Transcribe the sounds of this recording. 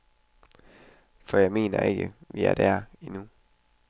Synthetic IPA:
fɒ̽jɑ̈ɪme̝̰ːnɐ̰e̝ɡ̥əʋiæɐd̥æɐinu

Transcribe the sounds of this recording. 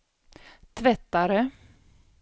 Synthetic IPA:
t̪ʰvɛt̪ːaɾə

